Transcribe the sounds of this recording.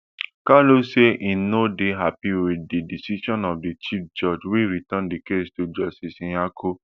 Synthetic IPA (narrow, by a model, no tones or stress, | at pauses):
kaloseʔĩnodeɦapiwededisiʃɔ̃nɔfdet͡ʃifd͡ʒɔd͡ʒwiɾitãndikestod͡ʒɔsisĩakʰo